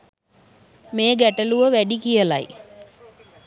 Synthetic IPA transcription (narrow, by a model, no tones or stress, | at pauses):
meːəɡæʈəluʋəʋæɖikijəla̰j